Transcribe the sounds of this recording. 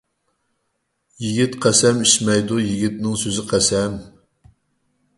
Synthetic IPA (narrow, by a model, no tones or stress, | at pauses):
jiɡʲit̪qʰæsɛmiʃmɛjd̪ujiɡʲit̪̚nɨŋsøzɪqʰæsɛm